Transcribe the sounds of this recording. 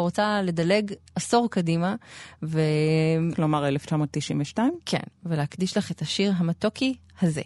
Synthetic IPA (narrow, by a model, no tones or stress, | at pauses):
ʁot͡sale̞dale̞ɡʔaso̞ʁkadimaveklomaʁeleft͡ʃamoːt̪ːiʃinveʃtaimkʰḛnveleakdiʃlaχet̪aʃiʁɦamatoki | hazḛ